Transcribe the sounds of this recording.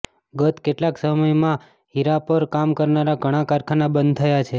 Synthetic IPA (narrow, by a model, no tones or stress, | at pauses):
ɡət̪keʈlaksəməjmã | ɦiɾapəɾkamkəɾnaɾaɡʱəɽ̃ãkaɾkʰanabənd̪̚t̪ʰəjat͡ʃʰe